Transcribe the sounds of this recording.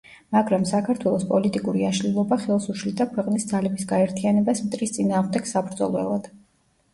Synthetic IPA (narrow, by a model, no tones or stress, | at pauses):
maɡɾamsakʰaɾt̪ʰwɛlˠɔspʼɔlit̪ʼikʼuɾiaʃlilˠɔbaχɛlˠsuʃlid̪akʰwɛqʼnisd̪zalɛbisɡaɛɾt̪ʰianɛbasmt̪ʼɾist̪sʼinaːʁmd̪ɛɡ̥sabɾd̪zɔ̰lˠɔɛ̰lˠad̪̥